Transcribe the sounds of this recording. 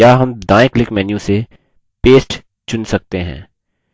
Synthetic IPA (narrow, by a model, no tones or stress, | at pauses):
aːɦɐmd̪ãːjɪklɪkmɛːnjũse | peːsʈ | t͡ʃʊnsɐk̚t̪eɦɛ̰̃ː